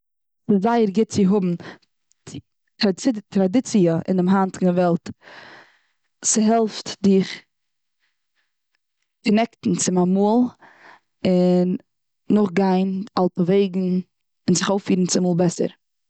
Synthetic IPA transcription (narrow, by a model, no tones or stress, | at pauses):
sɪszaɪəɾɡɪt̚t͡sɪɦʊbm̩ | tɾtɾadɪt͡siəʔɪ̰ndɪmɦantnɪvɛlˠt | sɪɦɛlˠftdɪχ | kənɛktn̩t͡sɪmamulˠ | ɪnː | ʊχɡaɪnalˠtəveɪɡŋ̩ | ɪnzɪχoʊfiːɾn̩t͡sɪmuːlˠbɛsə̰ɾ